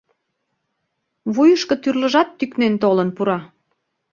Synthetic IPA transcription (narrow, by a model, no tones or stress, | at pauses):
βujəʃkɤ̆t̪yrləʒɑt̪ːyknent̪olənpuɾɑ